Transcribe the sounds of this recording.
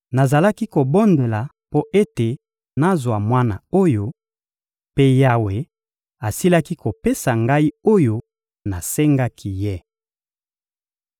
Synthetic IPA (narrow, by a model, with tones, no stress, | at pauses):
na˨za˨la˦ki˦ko˨bɔ˦nde˨la˨ | po˦ʔe˦te˨ | na˦zwa˨mwa˦na̰˨o˦jo˦ | pe˦ja˦we˨ | a˨si˦la˦ki˦ko˨pe˦sa˨ŋɡa˦i˦o˦jo˦ | na˨se˦ŋɡa˦kʰi˦je˦